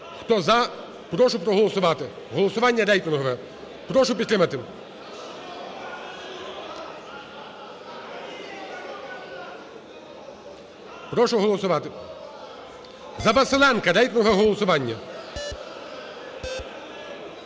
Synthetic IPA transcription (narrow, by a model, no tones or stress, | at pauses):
xt̪ɔzɐ | pɾɔʃʊpɾɔɦɔlˠɔsʊʋɑt̪ɪ | ɦɔlˠɔsʊʋɑnʲːɐɾɛjt̪ɪnɦɔʋɛ | pɾɔʃʊpʲit̪t̪ːɾɪmɐt̪ɪ | pɾɔʃʊɦɔlˠɔsʊʋɑt̪ɪ | zɐbɐselˠɛnkɐɾɛjt̪ɪnɦɔʋɛɦɔlˠɔsʊʋɑnʲːɐ